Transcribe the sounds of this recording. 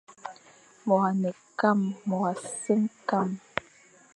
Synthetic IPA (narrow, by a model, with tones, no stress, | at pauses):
mɔ˨ɣa˨nɛ˨ | ka˦˨mːɔ˨ɣa˨sə˦mka˦˨m